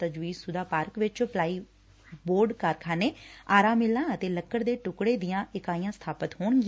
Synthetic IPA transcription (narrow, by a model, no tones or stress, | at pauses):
t̪əd͡ʒʋiːsʊd̪aːpaːɾkʋɪt͡ʃplaːiː | boːɾɖkaɾkʰaːneːaːɾãːmɪlãːət̪eːləkːəɾd̪eːʈʊkɽeːd̪ɪjãːʔɪkaːijãːst̪ʰaːpət̪ɦoːɳɡɪ̃